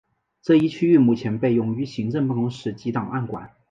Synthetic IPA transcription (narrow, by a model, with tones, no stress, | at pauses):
ʈ͡ʂɤ˥˧i˥˧t͡ɕʰy˥y˥˧mu˥˩t͡ɕʰjɛ˧˥npe˥˩ɪjʊ˥˩ŋy˧˥ɕi˧˥ŋʈ͡ʂɤ˥˧ŋpu˥˩kʊ˧˥ŋʂɻ̩˧˩t͡ɕi˧˥t̪ɑ˨˩ŋʔa˥˩nkwa̰˨˩˦n